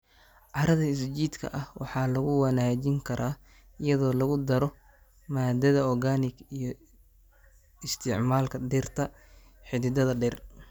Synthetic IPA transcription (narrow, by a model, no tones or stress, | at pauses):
ʕɑɾɐðɐɪst͡ʃiːd̪kʰɐ̰ʔɐhwʔɑ̰ħɑːlɐɣʊwɑnaːt͡ʃɪŋkʰɐɾʔaː | ɪjɐðɔːlɐɣʊd̪ɐɾɔ | maːd̪ɐðɐɔrɡaːnɪɡijɔ | ɪst̪ʰɪʕmaːlkʰɐɖɛrt̪ʰɐ | ħɪðɪd̪ɐðɐɖɛr